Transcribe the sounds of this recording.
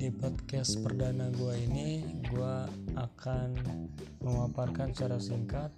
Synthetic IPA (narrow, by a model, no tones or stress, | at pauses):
dipɔt̪̚kɛspərdanaɡuainiɡuaːkʰanməmaparkant͡ʃaɾasiŋkat̪̚